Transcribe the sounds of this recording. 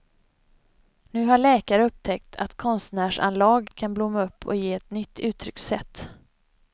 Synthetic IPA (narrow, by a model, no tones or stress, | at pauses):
nʉ̟ːɦaɭɛːkaɾəɵp̚ːt̪ʰɛk̚t̪ʰa̰t̪kʰɔnst̪næːʂa̰nlɑːɡkʰanblʊmːaɵpʰːɔ̰jeːɛt̪nʏt̪ʰːʉ̟ːt̪ʰɾʏksɛt̪ː